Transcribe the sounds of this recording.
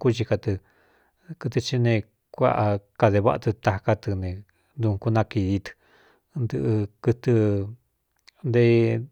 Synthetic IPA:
ku˦t͡ʃi˧ka˧t̪ɨ˧ | kɨ˧t̪̬ɨ˧t͡ʃi˧nẽ˧ | kʷa̰˦˧ʔa˧ka˧ðe˧βa̰˦ʔa˧t̪ɨ˧t̪a˧ka˧t̪ɨ˧nẽ˧ | nd̪u˧ku˦˧nã˧ki˧ði˧t̪ɨ̥˧ | nd̪ɨ˧ʔɨ˧kɨ˧t̪ɨ˧ | nd̪e˧

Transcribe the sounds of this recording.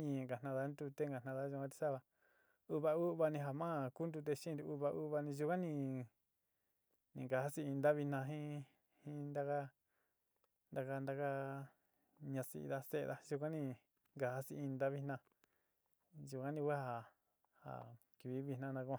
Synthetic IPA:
ɲĩ˧˨ŋɡa˨nã˧ða˧˦nd̪u˧t̪e˦ŋɡa˨nã˧ða˦ʒu˧kʷã˦t̪i̥˧sa˦βa˧ | u˧βa˧u˦˧βa˧nĩ˧ɦa˨mã˦˧˨ku˦nd̪u˧t̪̬e˧ʃĩ˦˧u˧u˧βa˧ʔu˦βa˧nĩ˧ʒu˧kʷã˦nĩ˧ | nĩ˨ŋɡa˨ha˦si˧i˧nd̪a˦βi˧nã˧ɦĩ˦ | hĩ˦nd̪a˧ka˦ | nd̪a˧ka˧nd̪a˧ka˦ | ɲã˧sḭ˧ða˧sḛ˧ða˧ʒu˧kʷã˦nĩ˧ | ŋɡa˨ha˧si˧ĩ˧nd̪a˦βi˧nã˧ | ʒu˧kʷã˦nĩ˧kʷa˦ha˨ | ha̰˨ | ki˨βi˧˦βi˧˨nã˦nã˧ku˧ã˧

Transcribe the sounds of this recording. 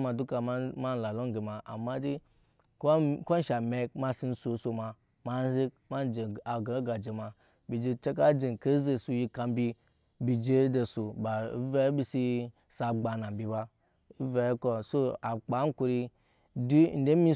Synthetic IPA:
ma˨du˦ka˨˦ma˦n˨la˨lo˦ŋ˦ɡe˨ma˨a̰˨mːa˦di˦ | kko˦n̩˦ʃa˨me˨k̚ma˦si˦n̩˦so˨˦so˨ma˨ | ma˦n˦ze˦k̚ma˦d͡ʒe˨a˨ɡa˨˦ɡa˨d͡ʒe˨ma˨ | bi˨d͡ʒe˧t͡ʃe˦ka˦d͡ʒe˨n˨ke˦ze˨su˨ji˧ka˨m˦bʲi˦˧ | bi˨d͡ʒe˦de˨so˨ba˨˦ve˦bi˦si˧ | sa˨ɡ͡ba˨na˨m̩˨bʲi˨ba˧˦ | ve˨jko˨so˦a˨k͡pa˨˦ŋ̩˦ko˧ɾi˧ | du˦n̩˦de˦mi˦

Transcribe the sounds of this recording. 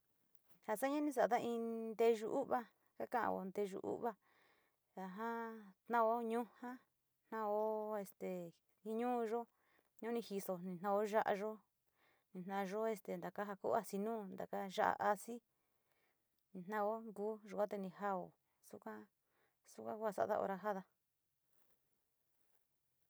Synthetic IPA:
ha˧˨sa˦ɲã˦nĩ˧s̬a˨a˨t̪a˦˧ĩ˧nd̪e˧ʒu˧ʔu˦βa˦ | ka˦kã˦ʔã̰˧βo̰˧nd̪e˧ʒṵ˧ʔṵ˦βa˧ | a˧ɦã˦t̪nã˦o˦ɲũ˦hã˦ | n̥nã˧o˦e˧st̪e˨ | ĩ˧ɲũː˦˧ʒo˦ | ɲũ˦nĩ˧hi˧so˧nĩ˧n̥ã˧o˦ʒa˦ʔa̰˧ʒo˦ | nĩ˧n̥nã˧ʒo˦e˧st̪e˧˨nd̪a˨ka˦ɦa˧kṵ˦a˧si˧nũː˦nd̪a˨ka˦ʒa˦ʔa̰˧ʔa˧si˦ | nĩ˧n̥ã˦˧o˦ŋɡuː˦ʒu˨kʷa˦t̪e˧nĩ˧ɦa˦o̰˨ | su˦kʷã˦ | su˦kʷã˦ku˦a˧sa̰˦ʔa˧ða̰˧ʔo̰˧ɾa˧ɦa˦ða˧

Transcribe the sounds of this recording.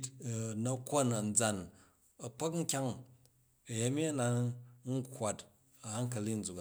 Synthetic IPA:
tnɐ˦kʷo˦nɐ˨n̩˨d͡za˨n | ɐ˨k͡po˦kŋ̩˦kʲa˦ŋ | ɐ˨ja˦mʲi˦ɐ˦na˨n̩˦kwa˨t | ɐ˨ha˦ŋ˦kɐ˨li˦n̩˨d͡zu˨k

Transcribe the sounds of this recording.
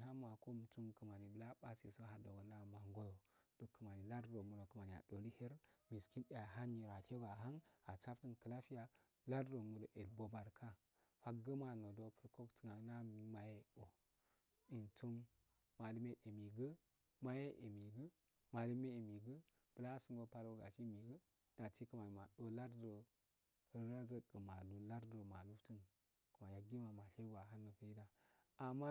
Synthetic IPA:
ɦa˦m˦a˨ko˦˨m˨t͡su˦mkə˨ma˨ni˨bə˨la˦ba˦si˨so˦ɦa˨do˨ɡo˨na˦˨ma˨ŋɡo˦jo˨d̥o˨kːə˨ma˨ni˨la˦dɾo˨mu˨do˨kə˨ma˨ni˨a̰˨do˨li˦he˦ɾmi˨ski˦nɗa˨ɦa˦ni˨ɾa˨tʰe˦ɡa˨ɦa˦ŋa˨t͡ʃa˦fti˦nkə˨la˦fi˦ja˨ | la˦dɾo˨mu˨do˨ʔe˨dbo˨ba˨ɾkʰa˦ | fa˦kɡə˦ma˨no˨do˨kə˨ɾko˦kt͡sə˨ŋa˨na˦mi˨˦ma˨je˦o˨ | i˨nt͡so˦m | ma˨də˦me˦e˨mi˨ɡə˦ | ma˦je˦ʔe˨mi˨ɡə˦ | ma˨də˦me˦˨mi˨ɡə˦ | b̥ə˨la˦su˦ŋɡo˦pa˦lo˦ɡa̰˨ʃi˦mi˨ɡə˦ | d̥a˨ti˦kə˦ma˨n˨ma˨ɗo˦la˦ɾdo˨ | ə˨ɾa˦zə˦kə˨ma˨lu˨la˦ɾdɾo˨ma˨lu˦ftə˦n | ku˨ma˨ja˨ɡi˦ma˨ma˨ɬe˦ɡʷa˨ɦa˦nːo˨fe˦i˦da˦ | a˨ma˦

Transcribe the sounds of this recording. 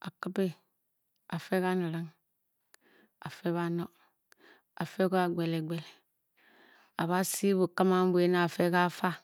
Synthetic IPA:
a˨ki˦be˦ | a˨fe˦ka˦ni˨ɾa˦ŋ | a˨fe˦βa˦no˦ | a˨fe˦ko˦a˨ɡ͡be˨le˨ɡ͡be˨le˨ | a˨βa˦si˦βu˨ka˦ma˦m˦bu˦e˦na˦˨fe˦ka˦fa˦

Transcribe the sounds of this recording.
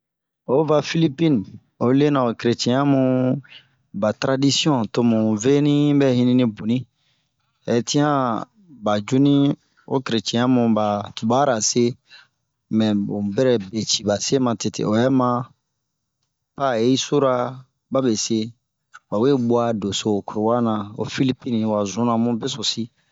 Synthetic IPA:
o˦va˦fi˦li˦pi˦n˨ | o˨˦le˦nã˨o˨kɾe˨t͡ʃɛ̃˨jã˦mũ˨ | ba˨tɾa˦di˦si˦ɔ̃˦to˦mũ˨ve˦nĩ˦bɛ˦hĩ˦nĩ˦nĩ˦bu˨nĩ˦ | ɛ˨ti˦ã˦ | ba˨d͡ʒu˦nĩ˦ | o̰˦ki˨ɾe˨t͡ʃɛ̃˨jã˦mũ˨ba˨tu˨ba˦ɾa˨se˦ | mɛ̃˨ũ˨bɛ˦ɾɛ˦˨be˨t͡ʃi˨ba˨se˦mã˨te˨tḛ˨o˨jɛ˦mã˦ | pa˦˨je˦i˦so˦ɾa˦ | ba˦be˨se˦ | ba˨we˦bwa˦do˨so˨ku˨ɾo˨wa˦nã˨o̰˨fi˦li˦pi˦nĩ˨wa˨zũ˦nã˨mũ˦be˦so˨si˦

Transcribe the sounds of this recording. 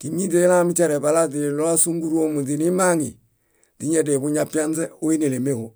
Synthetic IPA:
ki˨mi˦de˦la˦mi˦t͡ʃa˦ɾe˨ba˨la˦di˨lo˦a˦su˦ŋɡu˦ɾu˦o˦mu˨di˨ni˦ma˦ŋi˨ | di˦ɲɛ˦dɛ˨bu˦ɲapi˦a˦nzɛ˦o˦i˦ne˨le˨me˦ko˨

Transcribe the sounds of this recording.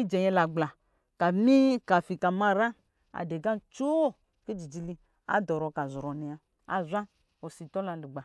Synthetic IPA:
i˦d͡ʒɛ˨ɲɛ˧la˨ɡ͡bla˨ | ka˨mi˦ka˨fi˨ka˨mã˦ɾa˦ | a̰˨de˨ɡã˦nt͡ʃo˦˨ | ke˦d͡ʒi˨d͡ʒi˧li˧ | a̰˦d̪ɔ˨ɾɔ˨ka˨zɾɔ˨nɛ˨a˨ | a̰˨zʷa˦ | o˨si˨t̪ɔ˦la˨li˨ɡ͡ba˨

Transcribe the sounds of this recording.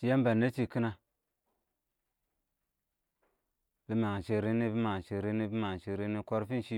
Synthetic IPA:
t͡ʃi˦ja˦m˦ba˨nːe˦t͡ʃi˦ki˦na˨ | b̥i˦ma˨ŋ˨ʃe˨ɾe˦ni˦bi˦ma˨ŋ˨ʃi˨ɾe˦ni˦bi˦ma˨ŋ˨ʃi˨ɾe˦ni˦ko˦ɾfi˦n˨ʃi˦

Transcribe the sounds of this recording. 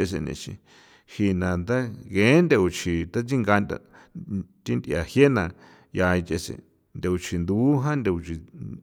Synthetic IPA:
e˧s̬ḛ˧nḛ̃˧˨ʃḭ̃˧ | hi˧nã˨nd̪a˦ɣẽ˨˦nd̪e˧u˨t͡ʃʰi˨t̪a˦t͡si˦ŋɡa˧nd̪a̰˧ | t̪i˦nd̪ʔja˨hje˦nã˧ | ja˧i˧t͡ʃe˧sḛ˨ | nd̪e˧u˨t͡ʃʰi˨nd̪u˧˦ɦã˦nd̪e˧u˨˧t͡ʃi˨

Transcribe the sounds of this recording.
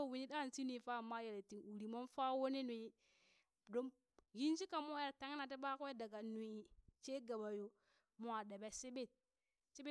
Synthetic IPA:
o˦˨wi˨ɲi˦ɗa˦˨nsi˦n˦i˨fa˦˨ma˦je˨le˨ti˨ŋu˨ɾi˨mo˦nfa˦wo˦ne˦ni˨i˦ | do˦m | ɡi˦nd͡ʒi˦ka˨mo˦e˨ɾta˦ŋ˦na˨t̬e˦ɓa˦ke˦da˨ɡa˨nu˨i˨t͡ʃe˦ɡa˨ba˨jo˨ | mo˦a˨de˨be˦si˦be˦˨t̚ | t͡ʃi˦be˦

